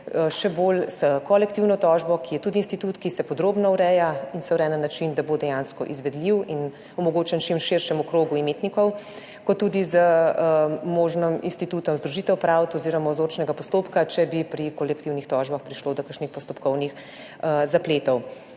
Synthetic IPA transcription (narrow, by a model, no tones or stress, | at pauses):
ʃɛbolsəkɔlɛk̚t̪iwnɔt̪ɔːʒbɔkijɛt̪uːd̪iːnst̪it̪uːt̪kisɛpɔd̪ɾoːbnɔwɾɛjainsɛwɾɛːnənːat͡ʃind̪abod̪ɛjanskɔ̰ʔizʋɛd̪liwin | ɔmɔɡoːt͡ʃɛnt͡ʃimʃeɾʃɛmɔkɾoːɡuimeːt̪nikɔw | kɔt̪ːud̪izə | moːʒnɔmḭnst̪it̪uːt̪ɔmzd̪ɾuʒit̪ɛwpɾawt̪ɔziɾɔmazoːɾt͡ʃnɛɡapɔst̪oːpkat͡ʃɛbipɾikɔlɛkt̪iwnixt̪ɔʒbaxpɾiʃlod̪ɔkaɾʃnixpɔst̪ɔpkɔwnix | zapleːt̪ɔw